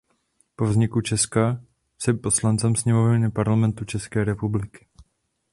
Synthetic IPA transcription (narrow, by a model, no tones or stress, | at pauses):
po̞vzɲɪkut͡ʃɛska | sɛpo̞slant͡sɛmsɲɛmovɲɪpaɾlamɛnt̪ut͡ʃɛskɛːɾɛpublɪkɪ̥